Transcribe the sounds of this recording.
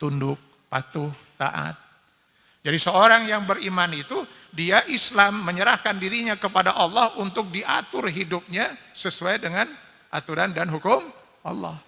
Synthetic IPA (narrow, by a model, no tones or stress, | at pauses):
t̪undʊk̚ | pat̪ʊht̪a̰ʔa̰t̪̚ | d͡ʒadisəoɾaŋjaŋbəɾimanit̪u | diaʔislamːəɲəɾahkandiɾiɲakəpadaʔɑlːɑhunt̪ʊk̚diʔa̰t̪ʊrɦidʊp̚ɲasəsuajdəŋan | ʔa̰t̪uɾandanɦukʊm | ʔɑ̰lːɔ̰h